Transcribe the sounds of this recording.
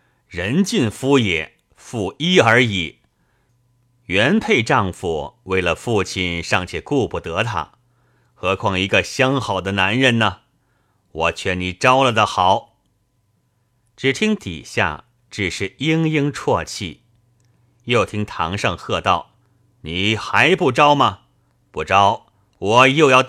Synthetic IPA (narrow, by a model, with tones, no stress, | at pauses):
ɻə˧˥nt͡ɕi˥˧nfu˥jɛ̰˨˩˦ | fu˥˩i˥ə˞˧˥i˨˩˦ | ɥɛ˧˥npʰe˥˧ɪʈ͡ʂɑ˥˧ŋfṵ˨˩we˥˩ɪlə˩fu˥˩t͡ɕʰi˥˩nʂɑ˥˩ŋt͡ɕʰɛ˥˩ku˥˧pu˨˩t̪ɤ˧˥t̪ʰa̰˧˥ | xɤ˧˥kʰwɑ˥˩ŋi˧˥ɡə˧ɕjɑ˥ŋxɑ˨˩ʊd̪ə˦na˧˥nɻə˧˥nnə˨ | wɔ˨˩t͡ɕʰɥɛ˥˩ni˨˩ʈ͡ʂɑ˥ʊlə˨d̪ə˨xɑ˨˩˦ʊ | ʈ͡ʂɻ̩˨˩t̪ʰi˥ŋt̪ḭ˨˩ɕja̰˥˩ | ʈ͡ʂɻ̩˨˩ʂɻ̩˥˩i˥ŋji˥ŋʈ͡ʂʰwɔ˥˧t͡ɕʰḭ˥˩ | jo˥˩ʊt̪ʰi˥ŋt̪ʰɑ̰˧˥ŋʂɑ˥˧ŋxɤ˥˧t̪ɑ˥˩ʊ | ni˨˩˦xa˧˥ɪpu˥˩ʈ͡ʂɑ˥ʊmɐ˨ | pu˥˩ʈ͡ʂɑ˥ʊ | wɔ˨˩jo˥˧ʊjɑ˥˧ʊt̪